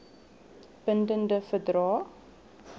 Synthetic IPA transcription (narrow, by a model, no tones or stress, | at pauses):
b̥əndəndəfədɾɑː